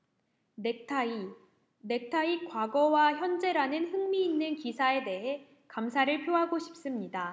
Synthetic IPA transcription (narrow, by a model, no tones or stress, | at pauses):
nek̚tʰai | ne̞k̚tʰaikwaɡʌwaçjʌnd͡ʑe̞ɾanɯnɸɯŋmiːnːɯnkisʰae̞de̞ɦe̞ | kamsʰaɾɯɭpʰjoɦaɡoɕʰi̥p̚s͈ɯmɲida